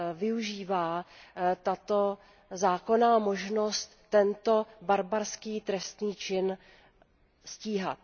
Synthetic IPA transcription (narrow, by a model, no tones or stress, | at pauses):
vɪuʒiːvaːt̪at̪o̞ | zaːko̞naːmo̞ʒno̞st̪ːɛnt̪o̞baɾbaɾskiːt̪ɾɛst̪niːt͡ʃɪn | sciːɦa̰t̪̚